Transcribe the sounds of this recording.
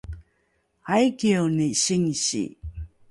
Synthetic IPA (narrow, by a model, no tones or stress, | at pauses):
ajkioniɕiŋɕḭ